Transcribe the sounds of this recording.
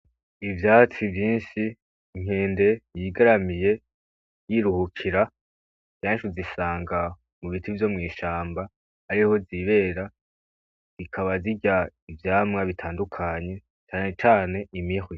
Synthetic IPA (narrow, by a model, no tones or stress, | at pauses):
ivjaːt͡sivjiːnʃiː | ŋ̥he̞ːnde̞jiɡaɾamije̞ | jiɾuhukʰiɾa | eːʃuzisaːŋɡa | muβitivjo̞mŋiːʃaːmbaː | ɾiho̞ziβe̞ɾa | zikʰaβaziɟaivjaːmŋaβitʰaːndukʰaɲe̞ | t͡ʃaːne̞t͡ʃaːne̞imihwi